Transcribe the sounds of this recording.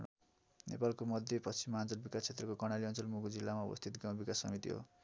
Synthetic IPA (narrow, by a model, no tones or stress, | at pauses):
nḛpalkomʌd̪ʱjʌpʌsʰimːant͡sʌlbikast͡sʰet̪rʌkokʌrɽnaliʌnt͡sʌlmuɡod͡zilːamaṵbʌ̰st̪ʰit̪ɡãw̃bikasːʌ̰mit̪ḭɦo̰